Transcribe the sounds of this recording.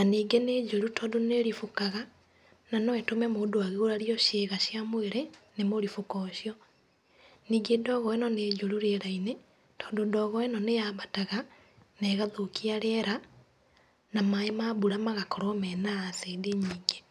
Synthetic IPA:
naniːɡeneːd͡ʒoɾutʰɔːndoneɾifukaɣa | nanɔwɛtomɛmoːdoaɣeɣoɾaɾiɔʃeːɣaʃiamoeɾenemoɾifukɔʃiɔ | niːɡedɔɣɔenɔneːd͡ʒoɾuɾeːɾaine | tʰɔ̥ːndodɔɣɔenɔnejaβataɣa | neːɣaðokiaɾeɛɾa | namaemaːβuɾamaɣakɔɾɔmɛnaasedeɲiːɡe

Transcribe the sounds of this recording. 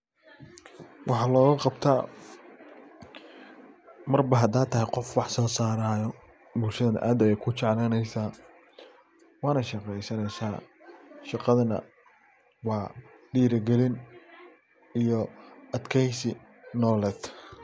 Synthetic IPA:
wʔɑħɑːlɔːɣɐqɑbt̪ʰaː | mɐrbɐɦɐd̪aːt̪ʰɐɦɛjqɔfwɑħsɔːsaːɾaːjɔ | bʊlʃɐðɐnɐ̰ʔaːd̪ɛjkʰʊt͡ʃɛʕlɛːnɛjsaː | wɑːnɐʃɑqɛjsɐnɛjsaː | ʃɑqɑðɐnɐ̰ | wɑː | ɖiːɾɐɡɛlɪn | ijɔɐd̪kʰɛjsɪ | nɔːlɛːd̪

